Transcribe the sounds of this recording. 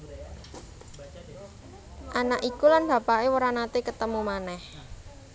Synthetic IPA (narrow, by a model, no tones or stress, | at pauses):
ʔanaʔikulanb̥a̤paʔewəɾanat̪ekət̪əmumanɛh